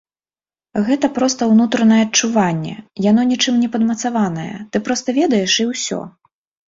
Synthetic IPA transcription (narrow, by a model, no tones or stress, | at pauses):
ɣɛt̪ɐpɾɔst̪ɐwnut̪ɾɐnɐjɛːt͡ʂːuvanʲːɛ̰jan̪ɔnʲit͡ʂɨmnʲɛpɐd̪mɐt̪savanɐjɛ̰t̪ɨpɾɔst̪ɐvʲɛd̪ɐjɛʂiwsʲɔ̰